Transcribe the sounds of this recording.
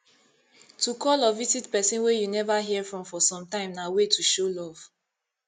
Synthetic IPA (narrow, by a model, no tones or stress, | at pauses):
tukɔlɔvisitpɛsĩnwejunɛvaɦiɛfɹɔ̃mfɔsɔ̃mtãɪ̃mnawetʰuʃolɔv̥